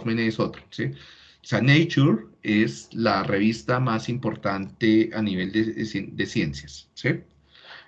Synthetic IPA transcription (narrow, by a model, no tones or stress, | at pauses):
mẽneso̞t̪ɾo̥si | senejt͡ʃuɾe̞slare̞βist̪amasimpo̞ɾt̪ant̪e̞aniβe̞ld̪esd̪e̞sjensjassi